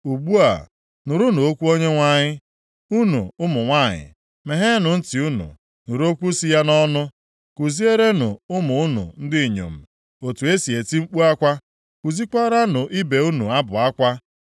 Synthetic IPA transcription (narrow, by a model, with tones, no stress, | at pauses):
u˨ɡ͡bu˦a̰˨ | nʊ˨ɾʊ˦no˨o˦kʷu˦o˦ɲe˦ŋʷa˦ɲɪ˦ | u˦nṵ˨ʊ˦mʊ˨ŋʷa˦˨ɲɪ̰˨ | me˨ɦe˦nʊ˨n̩˦ti˨u˦nṵ˨ | nʊ˨ɾu˦o˦kʷu˦si˦ja˦nɔ˦nʊ˦ | ku˨zi˦e˦ɾe˦nʊ̰˨ʊ˦mʊ˨ʊ˦nṵ˨n̩˦dɪ˦i˨ɲo̰˨m̩˨ | o˨tu˨e˦si˨e˨ti˦ŋ͡m̩˦k͡pu˦a˦kʷa˦ | ku˨zi˦kɔ˦ɾa˦nʊ˨ʔi˦be˨u˦nṵ˨a˦bʊ˨a˦kʷa˦